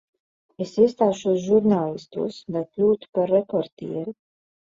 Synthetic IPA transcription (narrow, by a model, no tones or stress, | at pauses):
esiɛst̪aːʃusʒuɾnaːlˠist̪ṵːsd̪ajklʲuːt̪u̥paɾːepɔɾt̪ḭːɛɾi